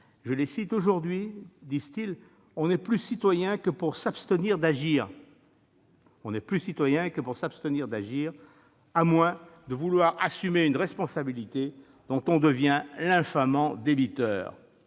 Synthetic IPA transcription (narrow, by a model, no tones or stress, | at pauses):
ʒəlesit̪oʒuʁd̪ɥid̪izt̪il | ɔ̃nɛplysit̪wajɛ̃kəpuʁsapst̪əniʁd̪aʒiːʁ | ɔ̃nɛplysit̪wajɛ̃kəpuʁsapst̪əniʁd̪aʒiːʁ | amwɛ̃d̪əvulwaʁasymeynʁɛspɔ̃sabilit̪e | d̪̥ɔ̃t̪ɔ̃d̪əvjɛ̃lɛ̃famɑ̃d̪ebit̪œ̰ːʁ